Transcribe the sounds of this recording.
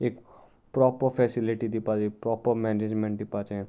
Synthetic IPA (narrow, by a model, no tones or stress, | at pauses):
eːk | pɾɔpəɾfʰɛsiliʈid̪ipad͡ʒeːkpɾɔpəɾmɛned͡ʒmẽɳʈ̚d̪ɪpat͡ʃẽ